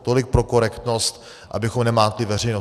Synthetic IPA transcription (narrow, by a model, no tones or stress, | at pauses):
t̪olɪk̚pɾo̞ko̞ɾɛkt̪no̞st̪ | ʔa̰bɪxomnɛmaːt̪lɪvɛr̝ɛjno